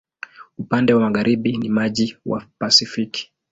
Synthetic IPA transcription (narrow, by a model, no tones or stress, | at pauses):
upandɛwamaɣaɾiɓinimaʄiwa̰pasifiki̥